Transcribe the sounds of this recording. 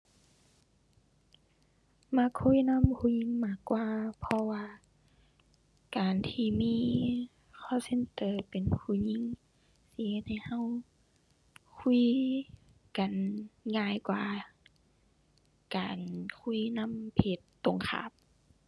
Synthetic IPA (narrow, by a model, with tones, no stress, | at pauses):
ma˧˥˨kʰːu˧˥˨na˧˥˨mkʰuː˧ɲi˧˥˨ŋmaː˧˩kːwaː˧pʰɔ˧waː˧ | kaː˨˩nt̪ʰiː˧miː˧˥˨ | kʰɔː˧˥˨se˧˨nt̪ɤː˨pe˨nkʰuː˧˩˨ɲi˧˨ŋ | si˧˨he˧t̪̚ha˧˩jha˧˥˨w | kʰu˧˥˨ | ka˨nŋaː˧˨jkwaː˧˨ | kaː˨˩nkʰu˧˥˨jna˧˥˨mpʰe˧˩t̪ːo˨ŋkʰa̰ː˧˩˦p̚